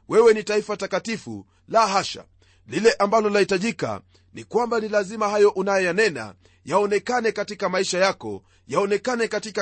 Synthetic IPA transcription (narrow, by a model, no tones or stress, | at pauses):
wɛwɛnitaifatakatifṵ | laːɦaʃa̰ | lilɛʔambalɔlahitaʄika̰ | nikwambanilazimahajɔʔunajɔjanɛna̰ | jaɔnɛkanɛkatikamaiʃajakɔ̰ | jaɔnɛkanɛkatika